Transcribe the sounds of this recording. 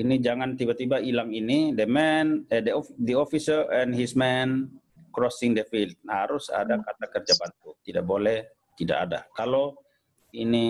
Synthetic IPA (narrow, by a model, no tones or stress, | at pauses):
inid͡ʒaŋant̪ibat̪ibailaŋinidəmɛndədiɔfisərɛnɦismɛn | kɾɔsɪŋdəfilt̪̚haɾusa̰dakat̪akərd͡ʒabant̪ut̪ida̰ʔbolɛh | t̪ida̰ka̰da̰kalo | ini